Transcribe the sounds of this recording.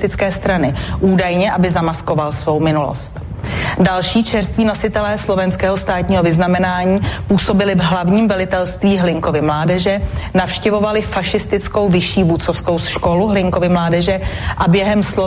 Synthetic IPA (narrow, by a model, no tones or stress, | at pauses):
t̪ɪt͡skɛːst̪ɾanɪʔuːdajɲɛʔabɪzamasko̞valsvo̞wmɪnulo̰st̪ | dalʃiːt͡ʃɛrst̪viːno̞sɪt̪ɛlɛːslo̞vɛnskɛːɦost̪aːt̪ɲiːɦovɪznamɛnaːɲiːpuːso̞bɪlɪvɦlavɲiːmvɛlɪt̪ɛlst̪viːɦlɪŋko̞vɪmlaːdɛʒɛnafʃcɛvo̞valɪfaʃɪst̪ɪt͡sko̞wvɪʃiːvut͡sofsko̞wsʃko̞luɦlɪŋko̞vɪmlaːdɛʒɛʔabjɛɦɛmslo